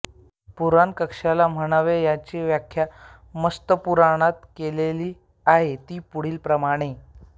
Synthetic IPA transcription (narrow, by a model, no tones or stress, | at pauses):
puɾankəkʂalam̤əɽ̃aʋejat͡ɕeʋjakʰːja | məst̪əpuɾaɽ̃at̪keleliː | aɦet̪iːpuɽ̤iːlpɾəmaɽ̃e